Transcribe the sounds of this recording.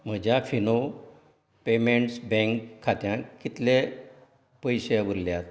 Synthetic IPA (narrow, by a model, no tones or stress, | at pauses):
m̤əd͡ʑjafino | pemeɳʈsbɛ̃ŋkʰːat̪jãkit̪le | pəjɕeʋəɾljat̪